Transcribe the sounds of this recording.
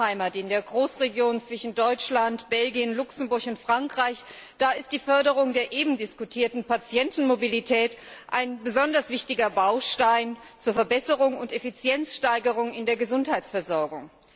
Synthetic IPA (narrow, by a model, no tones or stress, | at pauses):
aɪmatɪndeːɐɡʁoːsʁ̥eɡjoːnt͡sv̥ɪʃn̩dɔʏt͡ʃlantb̥ɛlɡiənlʊksm̩bʊɐçʊntfʁ̥aŋkʁ̥aɪç | d̥aːɪst̚d̥iːfœɐɾəʁ̞ʊŋdeːɐʔeːbm̩dɪskutʰiːɐtn̩pat͡sjɛntn̩mobilitʰɛːt | ʔaɪnbəzɔndɐsv̥ɪçtɪɡɐbaʊʃtaɪn | t͡suːɐfɛɐbɛsəʁʊŋʊntefit͡sjɛnt͡sʃtaɪɡəʁ̞ʊŋɪndeːɐɡəzʊnthaɪt͡sfɛɐzɔɐɡʊŋ